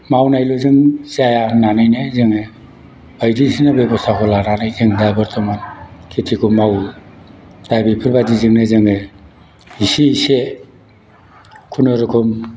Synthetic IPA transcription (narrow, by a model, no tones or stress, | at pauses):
mawnajlozɯŋzajananɯjnezɯŋɯ | bajdisinabebɔstʰakʰɔlananɯjzɯŋdabɯɾt̪ʰɔmankʰetʰikʰumaw | d̥ajbipʰɯɾbadizɯŋnezɯŋɯ | isiise | kʰunɔɾɯkʰum